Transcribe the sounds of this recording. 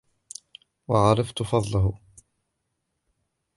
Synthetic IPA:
wɑʕɑɾˤɑft̪ʊfɑd̪ˤlaɦʊ

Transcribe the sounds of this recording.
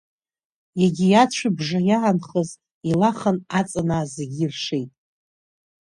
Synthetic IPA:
jaɡʲijat͡ɕʷʰabʐajaːnχəz | ilaχanat͡sʼanaːzeɡʲirʂejtʼ

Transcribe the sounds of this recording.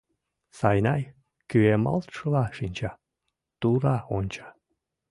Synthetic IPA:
sɑjnɑj | kyemɑ̰lˠt̪ʃəlɑʃinʲt͡ɕɑ | t̪uɾɑonʲt͡ɕɑ̥

